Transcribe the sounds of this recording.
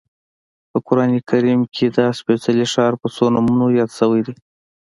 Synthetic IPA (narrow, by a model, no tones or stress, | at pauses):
pəkʊɾɑnikaɾimkʰed̪əspesaliʂɑɾpəsonamunojɑd̪səwəjd̪i